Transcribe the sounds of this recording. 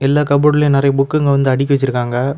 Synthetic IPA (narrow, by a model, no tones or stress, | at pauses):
ɛlːaːkɐboɽɪleːnɪɾɐjɐbʊkːɯŋɡɐʋɐnd̪ɯɐɽɪk̬ʲːɐʋɛt͡ʃːɪɾɯkːaːŋɡɐ